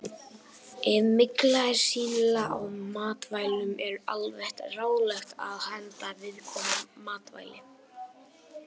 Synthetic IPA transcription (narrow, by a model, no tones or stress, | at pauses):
ɪðmɪklaɪ̥siːllaʔawmaːt̪vaːjlʏmɛɾa̰lvɛht̪raːwlɛxt̪a̰ðhɛnt̪avɪðkʰɔːmamaːt̪va̰ːjlɪ